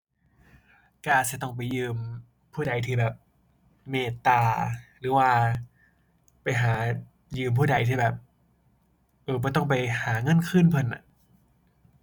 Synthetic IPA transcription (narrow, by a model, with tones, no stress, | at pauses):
kaː˧˩si˧˦t̪ɔ˥˩ŋpa˨˩jːɯː˧m | pʰuː˥˩da˧jt̪ʰiː˧˩bɛː˨˩p̚ | meː˧˩t̪aː˧ɾɯː˩˦waː˧ | pa˨jɦaː˩˦ | jɯː˧mpʰuː˥˩da˧˩jt̪ʰiː˥˩bɛː˨˩p̚ | ʔɤː˧˩bɔː˧˦t̪ɔ˥˩ŋp̬a˨jhaː˩˦ŋɤ˧˥˨nkʰɯ˥˨npʰɤ˧˩˨nʔa̰˨˧˩ʔ